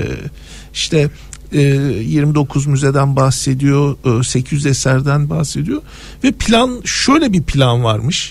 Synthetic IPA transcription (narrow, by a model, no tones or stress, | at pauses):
iʃt̪ʰɛː | jiɾmid̪o̞kʰuzmyze̞d̪ænbahse̞d̪ijoːse̞cʰyzɛsæɾd̪ænbahse̞d̪ijo̞ | vɛpʰilʲanʃø̞jlʲɛbipʰlʲanvaɾmɯʃ